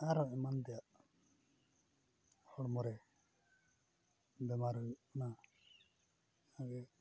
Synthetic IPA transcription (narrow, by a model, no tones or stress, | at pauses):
aɾɔɛmand̪ɛjaʔ | hɔɽmɔɾɛ | bɛmaɾɔna | aɡɛ